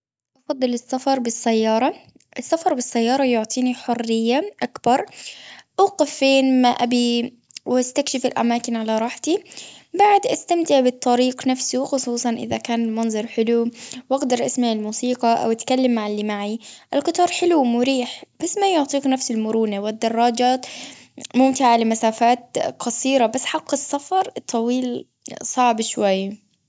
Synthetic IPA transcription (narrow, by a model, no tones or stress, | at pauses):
ʔɑfɑd̪ˤːɨlɪsːafɑɾˤbɪsːajːɑːɾˤɑ | ʔɪsːafɑɾˤbɪsːajːɑːɾˤɑjʊʕt̪ˤʰiːniħʊrːɪjːaʔakbɑɾˤʔuːqɪfːeːnmaʔabi | wast̪akʃɪfɪlʔa̰maːkɪnʕalaɾˤɑːħt̪ibaʕd̪ʔast̪amt̪ɪʕbɨt̪ˤːɑɾiːqnafsuxʊsˤuːsˤɑnʔɪ̰ðakaːnɪlmɑnzˤɑɾˤħɪluwʔɪɡd̪ɑɾˤʔasmaʕɪlmuːsiːqɑʔa̰wʔat̪kalːamːaʕɪlːimaʕiʔɪlqɨt̪ˤɑːɾˤħɪlumʊɾiːħb̥asmajʊʕt̪ˤiːknafsɪlmʊɾuːnawɪd̪ːɑrˤːɑːd͡ʒaːt̪mʊmt̪ɪʕalɪmasaːfaːt̪qɑsˤiːɾabasːħɑqːɪsːafɑɾˤt̪ˤʰːɑwiːl | sˤɑʕbʃwajː